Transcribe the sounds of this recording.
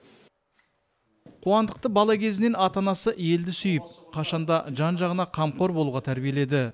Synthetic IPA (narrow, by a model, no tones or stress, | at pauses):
qʰuɑnd̪əq̚t̪əbɑlˠɑkʲʰe̞zɪne̞nɑt̪ɑnɑsəʔje̞ld̪ɪsʏjɪp̚qʰɑʃɑnd̪ɑʒɑnʒɑʁənɑqʰɑmqo̞ɾbo̞lˠuʁɑt̪ʰæɾbije̞le̞d̪ɪ